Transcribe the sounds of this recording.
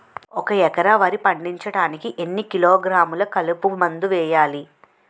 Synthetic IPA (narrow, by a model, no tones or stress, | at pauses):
ɔkɐɛkɐɾaʋɐɾipɐɳɖiɲt͡ʃɐɽaːnikiʔenːikiloːɡɾaːmulɐkɐlupumɐnd̪uʋɛːjaːli